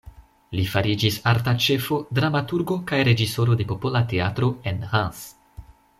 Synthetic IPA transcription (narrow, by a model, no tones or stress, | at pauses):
lifaɾid͡ʒisaɾtat͡ʃe̞fo̞dɾamatuɾɡo̞kajɾe̞d͡ʒiso̞ɾo̞de̞po̞po̞late̞atɾo̞enhans